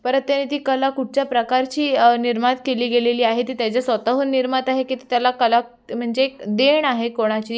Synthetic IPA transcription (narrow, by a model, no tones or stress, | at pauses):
pəɾət̪̚t̪janiːt̪iːkəlakuʈ̚t͡ɕjapɾəkaɾt͡ɕiːniɾmat̪keliːɡeleliːaɦet̪iːt̪jat͡ɕjasʋət̪əɦonːiɾmət̪aɦekit̪et̪jalakəla | m̤əɳd͡zeːkd̪eɳaɦekoɽ̃at͡ɕiː